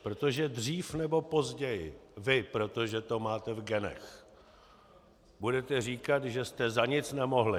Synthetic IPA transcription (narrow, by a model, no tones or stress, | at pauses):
pɾo̞t̪o̞ʒɛdr̝iːfnɛbo̞po̞zɟɛjɪvɪpɾo̞t̪o̞ʒɛt̪o̞maːt̪ɛvɡɛnɛ̰x | budɛt̪ɛr̝iːkat̪ʒɛst̪ɛzaɲɪt͡snɛmo̞ɦlɪ